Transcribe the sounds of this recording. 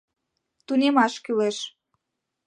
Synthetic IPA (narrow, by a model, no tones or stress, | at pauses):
t̪unʲemɑʃkyleʃ